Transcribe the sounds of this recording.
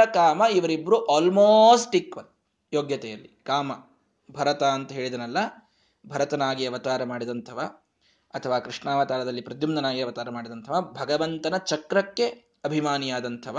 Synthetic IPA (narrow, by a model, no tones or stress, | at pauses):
ɐkaːmɐiʋɐɾibːɐɾuʔaːlmoːsʈikʋɐl | joːɡjɐt̪ɛjɐlːikaːmɐ | bʱɐɾɐt̪aːnt̪ɐɦe̞ːɭid̪ɐnɐlːɐ | bʱɐɾɐt̪ɐnaːɡijɐʋɐt̪aːɾɐmaːɽid̪ɐnt̪ʰɐʋaː | ɐt̪ʰɐʋaːkɾiʂɳaːʋɐt̪aːlɐd̪ɐlːipɾɐd̪jumnɐnaːɡijɐʋɐt̪aːɾɐmaːɽid̪ɐnt̪ʰɐʋaːbʱɐɡɐʋɐnt̪ɐnɐt͡ʃɐkɾɐkːe̞ | ɐbʱimaːnijaːd̪ɐnt̪ʰɐʋa